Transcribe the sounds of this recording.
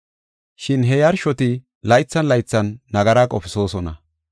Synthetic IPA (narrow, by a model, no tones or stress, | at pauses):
ʃɪnɦɛjɐɾʃɔt̪ɪ | lɐjt͡sːɐnlɐjt͡sːɐnːɐɡɐɾaːkʼɔfɪso̞ːsɔnɐ̰